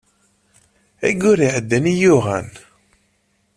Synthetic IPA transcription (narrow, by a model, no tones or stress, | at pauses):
æ̰ɡʊɾiʕəd̪ːænijʊʁæ̰n